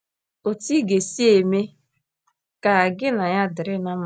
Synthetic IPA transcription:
o˨ti˦ɡe˨si˦e˨me˦ | ka˨ɡɪ˦na˨ja˦dɪ˨ɾɪ˦na˦m˦

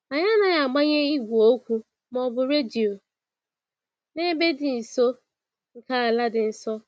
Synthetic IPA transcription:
a˨ɲa˦na˦ja˨ɡ͡ba˦ɲe˦i˦ɡʷu˨o˦kʷu˦ | mɔ˨bʊ˨ɾe˦di˨o˨ | ne˦be˦dɪ˨n̩˨so˦ | ŋ̩˨ka˦a˨la˦dɪ˨n̩˦sɔ˦

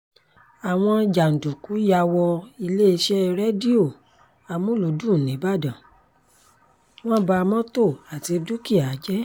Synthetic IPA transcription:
a˨w̃ɔ̃˧d͡ʒa˨n̩˨du˨ku˨˦ja˧wɔ˧i˧le˦i˧ʃɛ˦˧ɾɛ˦di˦o˦˨ | a˧mũ˦lo˨˦dũ˦˨nĩ˨˦ba˦˨dã˨ | w̃ɔ̃˦ba˧mɔ̃˦to˦˨a˨ti˨˧du˦ki˦˨a˨˦d͡ʒɛ˦

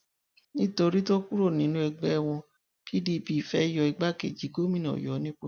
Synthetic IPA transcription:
nĩ˦to˧ɾi˦to˦ku˦ɾo˦˨nĩ˨˦nũ˦ɛ˧ɡ͡bɛ˦˧w̃ɔ̃˧ | ki˦di˦˨bi˨fɛ˦jɔ˧i˧ɡ͡ba˦kḛ˧˨d͡ʒi˨˦ɡo˦mĩ˦˨nɔ̰̃˨jɔ˨˦nĩ˦k͡po˦

